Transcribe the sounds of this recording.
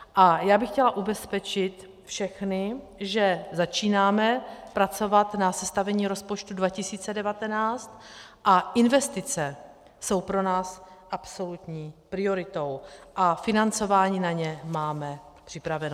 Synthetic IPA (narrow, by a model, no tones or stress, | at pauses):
ʔajaːbɪxcɛlaʔubɛspɛt͡ʃɪt̪ | fʃɛxnɪ | ʒɛzat͡ʃiːnaːmɛpɾat͡so̞vat̪nasɛst̪avɛɲiːɾo̞spot͡ʃt̪udvacɪsiːt͡sɛdɛvat̪ɛnaːt͡st̪ʔaʔɪnvɛst̪ɪt͡sɛ | so̞wpɾo̞naːsʔapso̞lut̪ɲiːpɾɪo̞ɾɪt̪o̞wʔafɪnant͡so̞vaːɲiːnaɲɛmaːmɛpr̝̥ɪpɾavɛno